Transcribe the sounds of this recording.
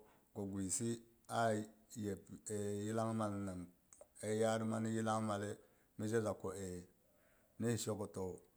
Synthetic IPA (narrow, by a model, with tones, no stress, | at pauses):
ko˨ɡʷi˨si˦ | a˦je˨pe˨ji˦la˦ŋma˨lna˨m | e˦ja˦ɾma˦ni˦ji˦la˦ŋma˨le˦ | mi˦d͡ʒe˦la˨ko˨e˨ | ni˦hi˨ʃo˦ko˨to˨